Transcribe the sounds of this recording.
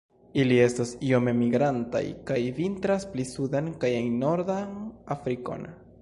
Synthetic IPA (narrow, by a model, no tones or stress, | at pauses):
ilie̞stasio̞me̞miɡɾanta̰jkajvintɾasplisud̪enkajejno̞ɾd̪anafɾiko̰n